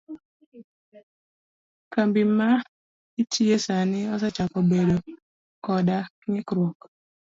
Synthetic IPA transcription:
kambɪma | itʰiesanɪɔs̬ɛt͡ʃakɔbedo | kɔda | ŋɪkɾwɔk

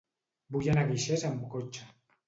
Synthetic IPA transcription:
bujanaɣiʃezamukot͡ʃa

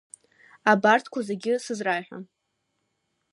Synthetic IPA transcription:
abartʰkʷʰazeɡʲɪsɨzrajħʷᶣa̰n

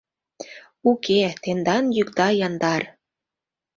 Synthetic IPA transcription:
uket̪end̪ɑnjukd̪ɑjɑnd̪ɑr

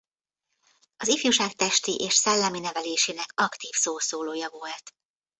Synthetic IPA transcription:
ɒzifjuʃaːk̚t̪ɛʃt̪iʔeːʃsɛlːɛminɛvɛleːʃeːnɛkɒkt̪iːfsoːsoːloːjɒvo̞lt̪

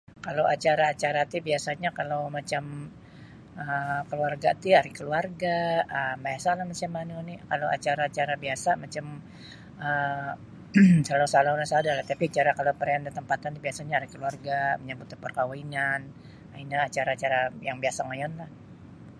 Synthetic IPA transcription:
kalowʔat͡ʃaɾaːt͡ʃaɾat̪ibiasaɲakalawmat͡ʃam | əkəluarɡat̪iaɾɪkəluarɡaəmbajasalahmat͡ʃamanonɪkalowʔa̰t͡ʃaɾaːt͡ʃaɾabiasamat͡ʃam | ə | salasalalasadalaht̪apiat͡ʃaɾakalopəɾaandət̪əmpat̪ant̪ubiasaɲaːɾikəluarɡaməɲabut̪upərkawainan | ainaːt͡ʃaɾaːt͡ʃaɾajaŋbiasaŋajɔnlah

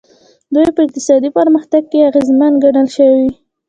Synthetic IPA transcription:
d̪ujpəɪq̚t̪ɪ̥sɑd̪ipəɾməxt̪aɡ̚keaɣezmanɡaɽəlʃəwi

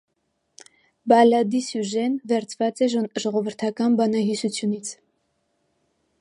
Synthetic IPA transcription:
bɑlɑd̪isjuʒɛnvɛɾt͡sʰvɑt͡sɛʒʒɔʁɔvəɾt̪ʰɑkɑnbɑnɑɦisut͡sʰjunit͡sʰ

